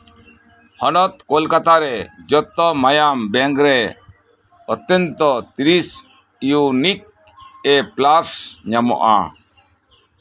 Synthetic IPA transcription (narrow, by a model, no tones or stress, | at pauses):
hɔnɔt̪kɔlkat̪aɾɛd͡ʒɔt̪ɔmajambɛŋɡɾɛ | ɔt̪ɔnt̪ɔt̪iɾis | ijunik̚ | ɛplaɾsɲamɔ̰ʔa̰